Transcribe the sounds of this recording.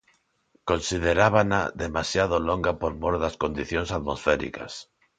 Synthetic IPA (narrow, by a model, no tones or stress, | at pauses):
konsið̞eɾaβana̰ðemasjaðoloŋɡapoɾmoɾðaskond̪iθjoŋsaðmosfɛɾḭka̰s